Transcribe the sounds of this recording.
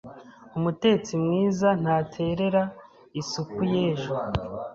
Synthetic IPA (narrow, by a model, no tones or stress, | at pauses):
umute̞t͡simŋiːzan̥haːtʰe̞ɾe̞ɾa | isukuje̞ːʒo